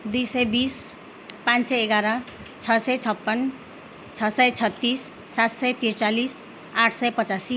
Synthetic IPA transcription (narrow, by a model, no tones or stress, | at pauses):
d̪ujsʌjbis | pãnsʌjeɡaɾʌ | t͡sʰʌsʌjt͡sʰʌpːʌn | t͡sʰʌsʌjt͡sʰʌt̪ːisː | at̪sʌjt̪irt͡salis | aʈʰsʌjpʌt͡sasi